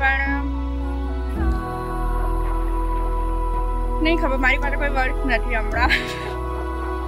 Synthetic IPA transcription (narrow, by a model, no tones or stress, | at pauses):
pəɳ̃ | nəɦĩkʰəbəɾmaɾipasekoːiʋəɾt̪nət̪ʰiɦəmɾa